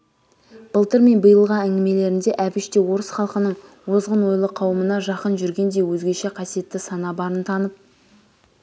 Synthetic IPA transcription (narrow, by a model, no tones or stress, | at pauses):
b̥əlˠt̪əɾme̞nbəjəlˠʁɑæŋɡʲɪme̞le̞ɾɪnd̪e̞ʔæbɪʃt̪e̞wo̞ɾəsχɑlˠqənəɴ | wo̞zʁənwo̞jlˠəqʰɑwəmənɑʒɑqənʒʏɾɡʲe̞nd̪e̞jwɵzɡʲe̞ʃe̞qʰɑsije̞t̪ːɪsɑnɑbɑɾənt̪ʰɑnəp̚